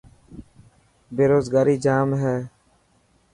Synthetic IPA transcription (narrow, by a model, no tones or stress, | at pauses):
beːɾoːzɡaːɾiːd͡ʒaːmɦɛː